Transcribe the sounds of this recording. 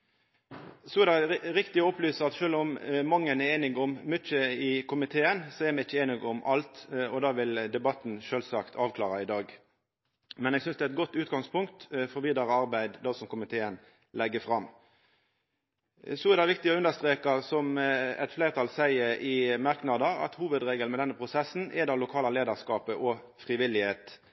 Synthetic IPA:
sɔɛɾd̪æɪʁɪkt̪ɪɔɔplyːsəɑt̪ʃøːlɔmmɑŋːənɛeːnɪɡɔmmʏt͡ʃːəɪkʰʊmɪt̪ʰeːənsɔɛɾmɛɪçːəeːnɪɡɔmʔɑlt̪ɔd̪ɑːʋɪld̪ɛbɑt̪n̩ʃøːlsɑkt̪ʰɑːʋkʰlɑ̰ːʁɑɪd̪ɑːɡ | mɛnɛːɡsʏnsd̪ɛæɛt̪̚ɡɔt̪ːʉːt̪ɡɑŋspʊŋkt̪fɔʁʋiːd̪ɑʁəɑʁbæɪd̪d̪ɑsɔmkʊmɪt̪ʰeːən | lɛɡːəfʁɑmː | sɔɛʁd̪ɑɪʋɪkt̪ɪɔʉnd̪əst̪ʁeːkɑsɔmɛ̰t̪fleːʁt̪ʰɑːlsæɪəɪmɑʁknɑd̪əɾɑ̰t̪huːʋəd̪ʁeːɡəlmɛd̪ɛnːəpʰʁʊsɛsːn̩ʔɛd̪ɑlʊkʰɑːlɑleːd̪əʁskɑːpəʔɔ | fʁɪʋɪlːɪheːt̪

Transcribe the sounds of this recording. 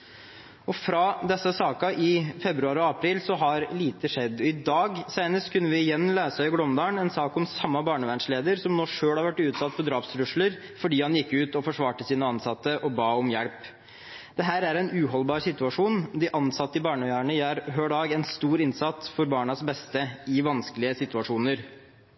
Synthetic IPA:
ɔfɾɑd̪ɛsːəsɑːkɑʔɪfɛbɾʉɑːɾɔɑpʰɾiːlsɔɦɑɾliːt̪əʂɛd̪ːɔɪd̪ɑːɡsæɪnəst̪kʰʉnːəʋɪɪjɛnːløːsɑɪɡlɔmd̪ɑːɳɛnsɑːkɔmsɑmːɑbɑːɳəʋænʂleːd̪əɾsɔmnoːʂøːɽhɑɾʋæʈːʉːt̪sɑt̪̚ːpʰɔd̪ɾɑːpsɾʉʂləɾ | fɔɖiːhɑnjɪkːʉːt̪ɔfɔʂʋɑːʈəsiːnəɑnsɑt̪ːəʔɔbɑːɔmjɛɽp | d̪ɛɦæːɾæɾɛnʉːɦɔlbɑːɾsɪt̪ʉɑʂuːnd̪ɪʔɑnsɑt̪ːəɪbɑːɳəjæːɳəjæːɾɦøːɖɑːɡɛnst̪uːɾɪnsɑt̪ːfɔɾbɑːɳɑsbɛst̪əɪʋɑnskəlɪəsɪt̪ʉɑʂuːnəɾ

